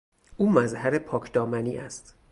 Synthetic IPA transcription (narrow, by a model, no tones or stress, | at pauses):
ʔuːmæzhæɾepʰɒːcʰd̪ɒːmænḭːʔæst̪